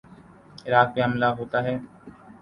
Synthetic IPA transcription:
ɪɾaːk̚peɦəmlaɦoːt̪aːɦɛː

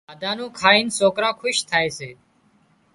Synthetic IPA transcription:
aːd̪ãːnõːkʰaːiːnsoːkɾãːkʰʊʃt̪ʰaːeːseː

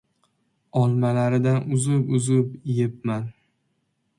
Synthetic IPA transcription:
ɒlˠmalaɾɪd̪anʊzʊpʊzɪpjep̚man

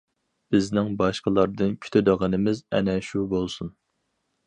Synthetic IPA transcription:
b̥ɪznɪŋbɑʃqəlˠɑɾd̪ɨnkʲʰy̥t̪ʰød̪əʁənɨmɪzɛ̰nɛʃubolˠsun

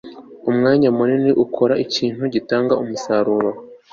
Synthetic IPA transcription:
umŋaːɲamuniniʔukʰo̞ɾaiciːn̥huɟitaːŋɡaumusaɾuːɾo

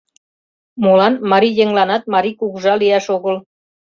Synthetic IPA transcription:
molɑnmɑɾijeŋlɑnɑt̪̚mɑɾikuɣuʒɑliæʃoɣəl

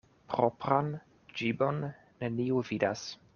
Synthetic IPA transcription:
pɾopɾan | d͡ʒibonː | eniuvidas

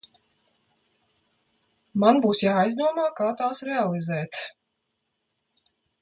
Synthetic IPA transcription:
manbuːsjaːajzd̪uɔmaːkaːt̪aːsɾɛalˠizɛːt̪

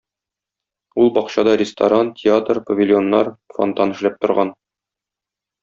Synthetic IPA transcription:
ulˠbɒqɕɑd̪ɑɾʲɪst̪ɐ̰ɾantʲʰɪat̪rpɐvʲɪlʲjo̞nːɑɾfo̰nt̪ɑnɘ̆ʃlæp̚t̪ŏɾʁɑn

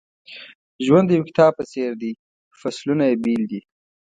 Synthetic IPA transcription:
ʒwand̪jewkɪ̥t̪ʰɑb̚pət͡seɾd̪i | faslunajebild̪i

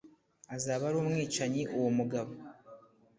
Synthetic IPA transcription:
azaːβaɾuːmŋiːt͡ʃaɲiʔuwomuɡaβo

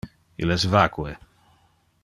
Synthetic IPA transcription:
ḭlɛsvakue

